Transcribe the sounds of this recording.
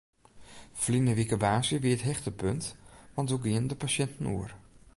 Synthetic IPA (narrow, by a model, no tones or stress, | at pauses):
flinəʋikəbaːsjəʋiətɦɛxtəpøntʋɑntuɡiəndəpasɛntən̩ṵər